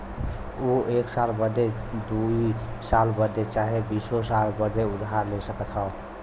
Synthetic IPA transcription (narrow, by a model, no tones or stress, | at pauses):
oeksalbəd̪ed̪uisalbəd̪et͡ʃaɦebisosalbəd̪eʊd̪ʱɦaɾlesəkət̪ɦɔ